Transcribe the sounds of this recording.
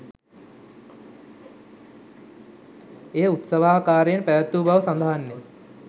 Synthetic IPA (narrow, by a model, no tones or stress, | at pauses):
eːut̪səʋaːkaːɾejnpæʋət̪ːuːbaʋəsand̪aɦanːe